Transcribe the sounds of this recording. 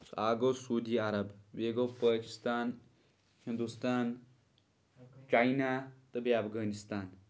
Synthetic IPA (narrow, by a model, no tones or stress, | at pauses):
saːɡowsuːd̪iaɾɐbʋeɡopəki̥st̪aːn | hind̪ust̪aːn | t͡ʃajnat̪əbiapʰɡaːnist̪aːn